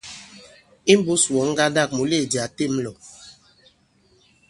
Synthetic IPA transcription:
i˦m˦bu˦swɔ˨˦ŋ̩˦ɡa˦da˦˨k̚mu˨le˦˨di˨a˨te˦˨m˦lɔ˨

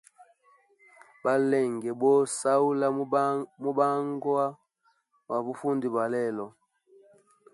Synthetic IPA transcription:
ba˦lɛ˦˨ŋɡɛ˨bɔ˦sa˦u˦la˦mu˦ba˦ŋɡwa˦ | wa˨βu˦fu˦ndi˨ba˨lɛ˦˨lɔ˨

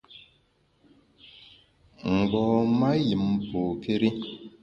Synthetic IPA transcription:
ŋ̩˨ɡ͡bɔː˨ma˦ji˨mpo˨ke˦ɾi˦

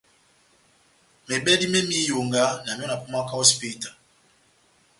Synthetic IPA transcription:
me˨ɓɛ˦di˦me˦mi˦jo˨ŋɡa˦na˨mi˦ɔ˦na˨ku˦ma˦ka˦ɔ˦spi˦ta˨

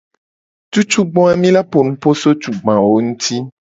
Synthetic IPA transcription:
tu˦t͡ʃu˦ɡ͡bɔ̃˦a˨mĩ˦la˦po˨nũ˦po˦so˦t͡ʃu˨ɡ͡bã˨wo˦ŋũ˦t̪ʰi˦

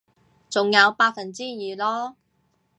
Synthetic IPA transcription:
t͡sʊ˨ŋjɐ˨˧wpaː˧k̚fɐ˨˩nt͡siː˥jiː˨lɔː˥

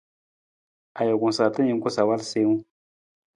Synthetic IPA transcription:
a˨jo˨ku˨sa˨ta˦ɲi˨˦ku˦sa˨wa˦lse˦ŋu˦

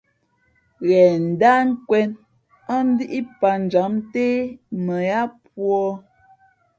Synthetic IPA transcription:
ɣɛ˨n̩˨da˦ŋ̩˦kwɛ˦n | a˦n̩˦di˦ʔi˦pa˨n̩˨d͡ʒa˨˦mte˦mə˨ja˦pwɔ˦

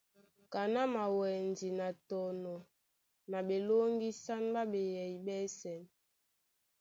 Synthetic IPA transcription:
ka˨na˦ma˨wɛ˨ndi˨na˨tɔ˨nɔ˨ | na˨ɓe˨lo˦ŋɡi˦sa˦n˦ba˦ɓe˨jɛ˨i˨ɓɛ˦sɛ˨n

